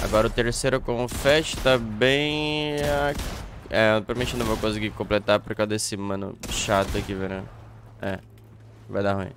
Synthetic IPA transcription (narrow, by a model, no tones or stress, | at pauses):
a̰ɡɔɾɐʊt̪eɾsejɾʊkõʊfɛʃt̪ɐbẽj̃a | ɛpɾmẽt͡ʃɪnɐ̃w̃vowkõsɪɡikõplet̪apoɾkawd̪esɪmɐ̃nʊ̰ʃat̪ʊɐkiveɾɐ̃ | ɛ | va̰jd̪ahũḭ̃